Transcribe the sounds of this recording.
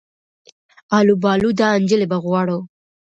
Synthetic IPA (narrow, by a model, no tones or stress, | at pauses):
ɑlubɑlud̪ɑand͡ʒəlebaɣwɑɽo